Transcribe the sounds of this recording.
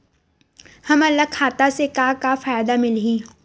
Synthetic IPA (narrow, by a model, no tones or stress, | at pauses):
hɐmɐlːakʰaːt̪asekakafaːjd̪amɪlɦĩ